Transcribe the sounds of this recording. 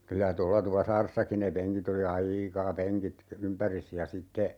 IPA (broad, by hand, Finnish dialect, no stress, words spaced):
kylæ tolːɑ tupɑsɑːresːɑki ne peŋkit oli ɑiːkɑ peŋkit ympæris jɑ sitːe